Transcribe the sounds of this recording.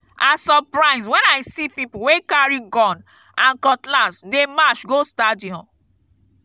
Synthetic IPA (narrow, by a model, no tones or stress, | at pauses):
ʔasɔpɹaɪswɛ̃naɪsipipuwekaɹiɡɔ̃n | ãnkɔtlasdemat͡ʃɡostadiɔ̃n